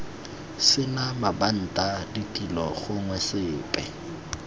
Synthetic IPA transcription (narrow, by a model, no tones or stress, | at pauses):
sɪnamaban̩tʼaditʼilɔ̰χʊŋwɛsɪːpʼɛ